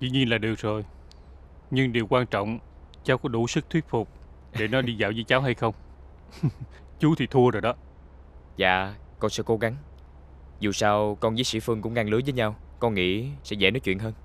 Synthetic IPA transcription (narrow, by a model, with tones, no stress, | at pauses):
zḭ˧˨ɲi˧nlaː˨˩ɗɨ˨˩ək̚zo˨˩j | ɲɨ˧ŋɗi˨˩əwkwaː˧nt͡ɕɔ̰˧˨wŋ͡m | t͡ɕaː˨˦wkɔ˨˦ɗu˧˩˦sɨ˦˥k̚t̪ʰwi˦˥ət̚fʊ˨˩k͡p̚ | ɗe˧˩nɔ˨˦ɗi˧za̰ː˧˨wzəː˨˦jt͡ɕaː˨˦wɦa˧jxə˧wŋ͡m | t͡ɕu˨˦t̪ʰi˨˩t̪ʰu˧əzo˨˩jɗɔ˨˦ | za̰ː˧˨kɔ˧nsɛ̰˧˥ko˨˦ɣa˨˦ŋ | zu˨˩saː˧wkɔ˧nzḭ˨˦sḭ˧˥fɨ˧əŋkʊ̰˧˥ŋ͡mŋʔaː˧ŋlɨ˨˦jvəː˨˦jɲa˧wkɔ˧nŋḭ˧˥sɛ̰˧˥zɛ̰˧˩nɔ˨˦t͡ɕwḭ˧˨ənɦəː˧n